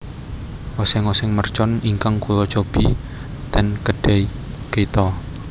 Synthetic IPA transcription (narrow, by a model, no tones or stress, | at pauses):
ʔɔsɛŋɔsɛŋmərt͡ʃɔniŋkaŋkulɔt͡ʃob̥i | t̪ɛnkəɖ̥ɛi | ket̪ɔ